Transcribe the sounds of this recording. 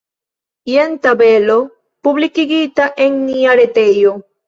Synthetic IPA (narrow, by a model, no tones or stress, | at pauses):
jent̪aβelo | puβlikiɣit̪aʔeŋniaɾet̪ejo